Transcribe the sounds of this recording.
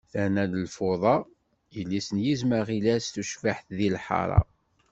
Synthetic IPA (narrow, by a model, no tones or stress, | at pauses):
θænæləlfoðˤɑ | jəlːisənjizməʁilæsθuʃfaħθðilħɑ̰ɾˤɑ̰